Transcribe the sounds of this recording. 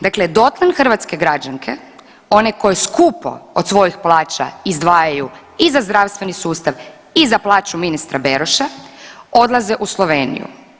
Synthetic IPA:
d̪akled̪o̞t̪lˠanxr̩ʋat̪ske̞ɡɾad͡ʒaŋkʰḛ | o̞neko̞jeskupo̞̰od̪sʋo̞jixplˠaːt͡ʃa̰izd̪ʋaːjaju | izazd̪ɾaʋst̪ʋe̞nisuːst̪aʋ | izaplˠaːt͡ʃuminist̪ɾabeɾoʃao̞d̪lˠazeʔuslˠoʋeːnḭjṵ

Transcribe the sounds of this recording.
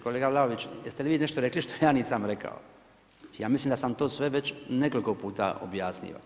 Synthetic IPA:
koleːɡalˠaoʋit͡ɕjest̪eliʋiːneʃt̪oɾekliʃt̪ojaːniːsamɾeka̰o | jaːmislimd̪asamt̪o̞ːsʋe̞ʋet͡ɕneko̞likopuːt̪a̰ʔo̰bjaːsnḭːʋa̰

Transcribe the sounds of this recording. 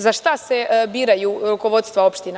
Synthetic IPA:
zaʃt̪ase̞biːɾajuɾuko̞ʋo̞dt̪st̪ʋao̞pʃt̪ina

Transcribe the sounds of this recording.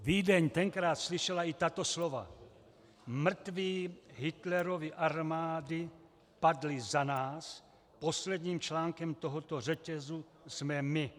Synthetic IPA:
viːdɛɲt̪ɛŋkɾaːt̪sliʃɛlait̪at̪oslova̰ | mr̩t̪viːɦɪt̪lɛɾoviʔaɾmaːdɪ | padlɪzanaːs | poslɛd̪ɲiːmt͡ʃlaːŋkɛmt̪oɦot̪or̝ɛcɛzu | smɛmɪ

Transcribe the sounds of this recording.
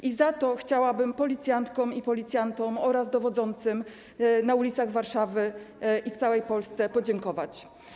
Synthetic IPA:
ʔizat̪ɔxt͡ɕawabɘmpɔlʲit̪sʲjant̪kɔmipɔlʲit̪sʲjant̪ɔmɔɾazd̪ɔvɔd̪zɔnt̪sɘm | naulʲit̪saɣvaɾʂavɘʔift̪sawɛjpɔlst̪sɛpɔd͡ʑɛŋkɔvat͡ɕ

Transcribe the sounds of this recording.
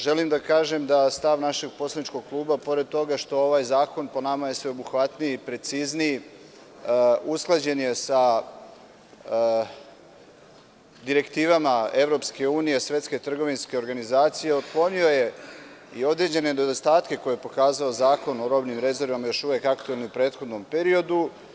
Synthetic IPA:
ʒe̞limd̪akaːʒe̞md̪ast̪aʋnaʃe̞ɡ̚po̞slanit͡ʃko̞ɡ̚klˠuːbapo̞ɾe̞d̪̚t̪o̞ɡaʃt̪o̞o̞ʋaːjzaːko̞npo̞namaje̞sʋeobuxʋat̪nijipɾe̞t̪sizni | usklˠad͡ʑe̞nje̞sa | d̪iɾe̞kt̪iːʋamae̞ʋɾo̞pske̞uːnije̞sʋʲe̞t̪sket̪r̩ɡo̞ʋinske̞o̞ɾɡanizaːt̪sije̞od̪klˠo̞nio̞je̞io̞d̪ɾe̞d͡ʑe̞ned̪od̪ost̪aːt̪ke̞ko̞jejepo̞kaːzaozaːko̞no̞ɾo̞bnimɾe̞ze̞ɾʋamajo̞ʃuʋe̞kakt̪ue̞lniupɾe̞ːt̪xo̞d̪no̞mpe̞ɾio̞d̪u

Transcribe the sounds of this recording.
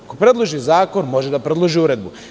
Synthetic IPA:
kopɾe̞d̪lˠoʒizaːko̞nmo̞ʒed̪apɾed̪lˠoʒiuɾe̞d̪bu

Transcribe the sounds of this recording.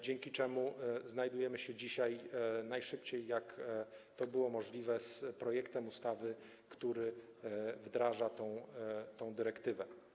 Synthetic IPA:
d͡ʑɛŋkʲit͡ʂɛmuznajd̪ujɛmɘɕɛd͡ʑiɕajnajʂɘpt͡ɕejːakt̪ɔbɘwɔmɔʐlʲivɛspɾɔjɛkt̪ɛmust̪avɘ | kt̪uɾɘ | vd̪ɾaʐat̪ɔ̃w̃t̪ɔ̃w̃d̪ɘɾɛkt̪ɘvɛ

